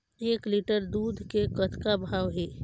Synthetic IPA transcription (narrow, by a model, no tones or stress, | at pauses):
eːkliʈəɾd̪uːd̪ʱkekət̪kabʱaːwɦɛː